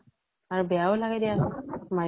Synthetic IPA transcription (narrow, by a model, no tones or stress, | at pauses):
aɹubɛaolaɡɛdijama